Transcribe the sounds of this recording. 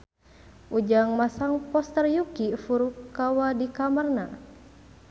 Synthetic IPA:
ʔud͡ʒaŋmasaŋpɔst̪ərjukifuɾukːawadikamərna

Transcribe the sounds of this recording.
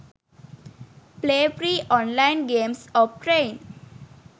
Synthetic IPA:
pleːfɾiːʔɔ̃ːnlaɪnɡẽːmsɔʋʈɾẽɪn

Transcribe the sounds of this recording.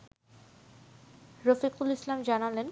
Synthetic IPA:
ɾʌfiqulislamd͡ʑanalen

